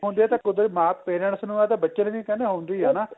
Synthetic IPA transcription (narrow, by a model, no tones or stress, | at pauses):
ɦõnd̪iːɦɛːt̪ãːkʊd̪əɾmaːppeːɾəɳsnũːɛːt̪eːbətːʃənʋĩːkɛneːɦõːnd̪iːɦɛːnaː